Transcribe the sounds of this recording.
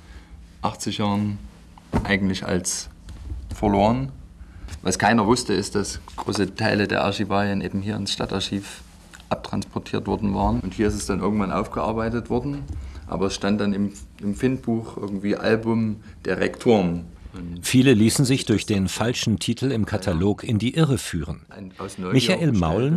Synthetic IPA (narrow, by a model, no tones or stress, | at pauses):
ʔaχt͡sɪçjaːʁən | ʔaɪɡŋ̩tlɪça̰ls | fɐloːʁən | va̰skʰaɪnɐvʊstəɪst̚d̥asɡ̥ʁo̰ːsətʰaɪlədḛːɐʔa̰ʃibaːjɐnʔeːbm̩ɦiːɐɪnsʃtataʃiːf | ʔap̚tʁ̥a̰nspʰɔtʰiːɐtv̥ɔɐdn̩vaːʁənʔʊnthiːɐɪstɛsd̥anʔɪɐɡŋ̩tv̥anʔa̰ʊfɡ̥əʔa̰ɐbaɪtətv̥ɔɐdn̩ʔa̰ːbɐɛsʃtant̚d̥anɪmɪmfɪnt̚b̥uːxʔɪɐɡŋ̩tv̥iːʔa̰lbʊm | d̥eːɐʁɛ̰ktʰoːn | fiːləliːsn̩zɪçd̥ʊɐçd̥eːnfalʃn̩tʰitʰl̩ɪmkʰatʰaloːkʰɪndiːʔɪʁəfyːʁən | naʊsnɔmɪçaʔeːlmaʊl